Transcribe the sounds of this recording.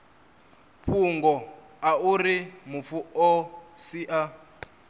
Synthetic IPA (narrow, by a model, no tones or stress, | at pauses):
ɸuŋɡɔ | aurimufuɔsiʔa